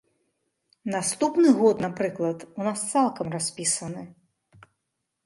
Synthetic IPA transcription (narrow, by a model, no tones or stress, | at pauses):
nast̪upnɨɣɔt̪napɾɨklˠɐt̪unast̪salˠkɐmrasʲpʲisɐnɨ